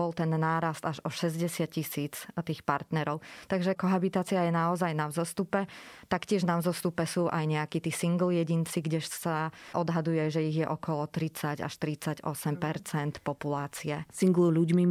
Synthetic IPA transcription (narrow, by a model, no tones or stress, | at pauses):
bɔlt̪ɛnːaːɾast̪aʒɔʃɛzɟɛsɪat̪̚cisiːt͡st̪iːxpaɾt̪nɛɾɔʊt̪aɡʒɛkɔɦabit̪aːt͡siajɛnaɔzajnavzɔst̪upɛt̪akcɪɛʒnavzɔst̪upɛsuʔa̰jɲɛakiːt̪iːsiŋɡl̩jɛɟint͡siɡɟɛʃsaʔɔd̪ɦad̪ujɛʒɛiɣjɛʔɔkɔlɔt̪ɾit͡saɟa̰ʃt̪ɾit͡saɟɔ̰sɛmpɛɾt͡sɛnt̪pɔpulaːt͡siɛsiŋɡluʎuɟmi